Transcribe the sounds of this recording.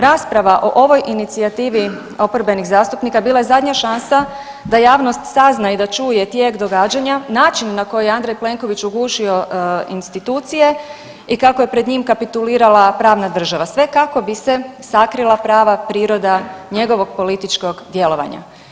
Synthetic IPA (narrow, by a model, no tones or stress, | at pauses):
ɾaːspɾaʋaʔo̞ʔo̞ʋo̞jʔinit̪siat̪iːʋi | o̞poɾbe̞niɣzaːst̪upnikabiːlˠaje̞zad̪ɲaʃansa | d̪ajaːʋno̞st̪saznaid̪at͡ʃuːje̞t̪je̞ːɡd̪o̞ɡaːd͡ʒaɲanaːt͡ʃinːako̞jejeand̪ɾajple̞ŋko̞ʋit͡ɕuɡuːʃio̞ḭnst̪it̪uːt̪sije̞ | ikakoje̞pɾe̞d̪ɲiːmkapit̪uliːɾalˠapɾaːʋnad̪r̩ʒaʋasʋe̞kako̞bise̞sakɾilˠapɾaːʋapɾiːɾo̞d̪aɲe̞ɡo̞ʋo̞ɡ̚po̞lit̪it͡ʃko̞ɡd̪je̞lo̞ʋa̰ɲa̰